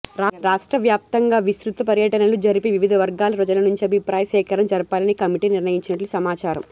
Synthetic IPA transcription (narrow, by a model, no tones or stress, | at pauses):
ɾaːɾaːʂʈɾɐʋjaːp̚t̪ɐŋɡaːʋisɾut̪ʋɐpɐɾjɐʈɐnɐlud͡ʒɐɾipeːʋiʋid̪ʱɐʋɐɾɡaːlɐpɾɐd͡ʒɐlɐnuɲt͡ʃiɐbʱipɾaːjɐʃɛːkɐɾɐmd͡ʒɐɾɐpaːlɐnikɐmiʈiːniɾnɐjiɲt͡ʃinɐʈlusɐmaːt͡ʃaːɾɐ̰m